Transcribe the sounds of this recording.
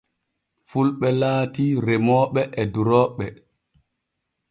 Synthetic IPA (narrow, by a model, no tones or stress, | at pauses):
fulɓɛlaːtiɾemɔːɓɛʔɛduɾɔːɓːɛ